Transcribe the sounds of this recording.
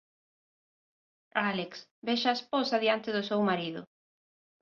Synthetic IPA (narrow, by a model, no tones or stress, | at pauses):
aleksbeʃaesposaðiant̪ɪðʊsewmaɾiðʊ̰